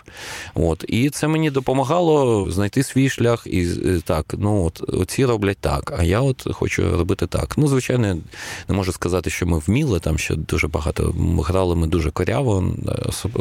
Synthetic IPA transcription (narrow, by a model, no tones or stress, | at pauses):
ot̪it̪sɛmenʲid̪ɔpɔmɐɦɑlˠɔznɐjt̪ɪsʲʋʲijʃlʲaxit̪ɑknuɔt̪ɔ̰t͡sʲiɾɔblʲɐt̚ʲt̪ɑ̰kɐjaɔt̪xɔ̰t͡ʃʊ̰ɾɔbɪt̪ɪt̪ɑ̰knuzʋɪt͡ʃajnɔjnɛmɔʒʊskɐzɑt̪ɪʃt͡ʃɔmɪwmʲilˠɪt̪ɑmʃt͡ʃɔ̰d̪uʒɛbɐɦɑt̪ɔ̰ɦɾɑlˠɪmɪd̪uʒɛkɔɾʲʔa̰ʋɔ̰s